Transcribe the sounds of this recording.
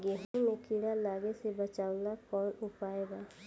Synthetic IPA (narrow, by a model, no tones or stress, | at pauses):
ɡɛɦimẽkiɽalaːɡesebət͡ʃaːʊnakɔːnʊpaːeːɡaː